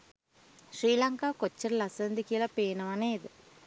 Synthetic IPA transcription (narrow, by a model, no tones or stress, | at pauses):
ʂɾiːlɐŋkaːkot͡ɕːɐɾlɐsɐnd̪ikilɐpeːnɐʋɐneːiðɨ